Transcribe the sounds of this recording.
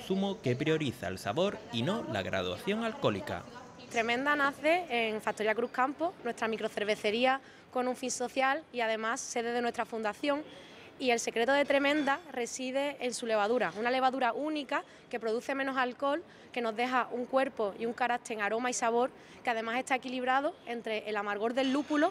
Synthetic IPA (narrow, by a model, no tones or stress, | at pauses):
sumoke̞pɾjo̞ɾiθa̰elsaβo̞ɾino̞la̰ɣɾa̰ð̞wa̰θjo̞ŋalko̞lika̰ | t̪ɾe̞mẽnd̪anaθe̞ːŋfak̚t̪oiakɾuhkamponwe̞st̪ɾamikɾo̞θe̞ɾβ̞e̞θe̞ɾia | ko̞nũɱfinso̞θjaliaðe̞masːe̞ðe̞ðe̞nwe̞st̪ɾafund̪aθjo̞ŋ | ie̞lse̞kɾe̞t̪oðe̞t̪ɾe̞mẽ̞nd̪are̞sið̞e̞ːnsule̞βaðuɾaunale̞βaðuɾaʔunika | ke̞pɾo̞ð̞uθe̞mẽnosalko̞l | ke̞no̞ɦðe̞ɦaʔuŋkwe̞ɾpo̞iuŋkaɾat̪ʰeŋaɾo̞maisaβ̞o̞ɾ | keað̞e̞mase̞ht̪ae̞kiliβɾað̞oe̞nt̪ɾe̞ʔːlamaɾɣ̞o̞ɾðe̞lːupulo̞